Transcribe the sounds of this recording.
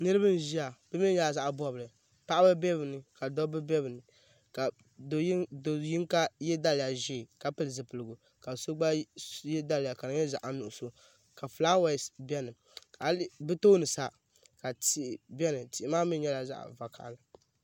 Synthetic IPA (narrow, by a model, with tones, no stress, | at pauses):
nɨ˦ɾɨ˦bɨ˦n˨ʒi˦a˨b̥ɨ˦mi˦ɲɛ˦la˨za˦ʔbɔ˦bɨ˨lɨ˨ | pa˦ʔa˦bɨ˦bɛ˦bɨ˨nɨ˨ka˨dɔ˦bɨ˦bɛ˦bɨ˨nɨ˨ | ka˨ | ddo˨ji˦ŋka˦jɛ˦da˦lja˨ʒi˦˨ka˨pɨ˦lɨ˨zɨ˨pɨ˨lɨ˨ɡu˨ | ka˨so˦ɡ͡ba˦jɛ˦da˦lɪ˨ja˨ka˨nɨ˨˦ɲɛ˦za˨ʔa˨nu˨ʔʊ˨so˨ | ka˨flaː˦wa˦˨sbɛ˦nɨ˨ | ka˨lbɨ˦to˦nɨ˨sa˦ | ka˨ti˨ʔbɛ˦nɨ˨ti˨ʔɪ˨maː˦mi˦ɲɛ˦la˨za̰˦ʔva˨kʰa̰˨la˨